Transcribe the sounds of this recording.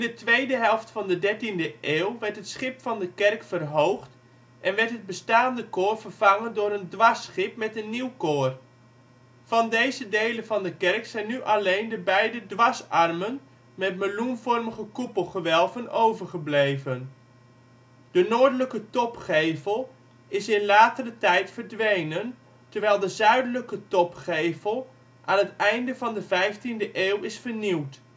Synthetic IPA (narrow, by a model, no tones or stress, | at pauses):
ɪndətʋejdəɦɛlˠftfɑndədɛɹtindəʔeːlˠʋɛɹtɦətsχɪpfɑndəkɛrkfərɦowχt | ʔɛnʋɛɹtɦəd̚bəstaːndəkoːrvərvɑŋəndʊːɾəndʋɑsχɪp̚mɛtənːiwkoːr | vɑndejzədejlənvɑndəkɛrksɛjnːyʔɑlejndəbɛjdədʋɑsɑrmən | mɛtməlunvɔɹməχəkupəlˠχəʋɛlˠvənowvəɹχəblejvən | d̥ənoːɹdələkətɔpχejvəlˠ | ɪsɪnlaːtərətɛjtfəɹdʋejnən | təɹʋɛjlˠdəzœɥdələkətɔpχejvəlˠ | ʔaːnɦətɛjndəvɑndəvɛjftindəʔeːwɪsfəɹniwt